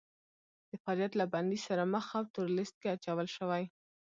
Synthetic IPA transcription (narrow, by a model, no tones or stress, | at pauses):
d̪̥əfaljat̪laband̪isaɾaməxawt̪ʊɾlɪst̪̚keat͡ʃawəlʃəwaj